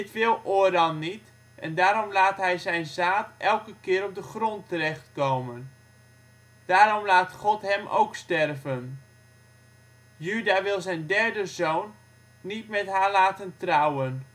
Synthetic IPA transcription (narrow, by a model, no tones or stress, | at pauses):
dɪtʋɪlˠʔʊːdɑnːit | ʔɛndaːɾɔmlaːtɦɛjzɛjnzaːtʔɛlˠkəkɪːɾɔp̚dəχrɔntərɛχtkowmən | d̥aːɾɔmlaːtχɔtɦɛmʔo̰wkstɛrvən | jydaːʋɪlˠzɛjndɛɹdəzownː | itmɛtɦaːɹlaːtəntrawən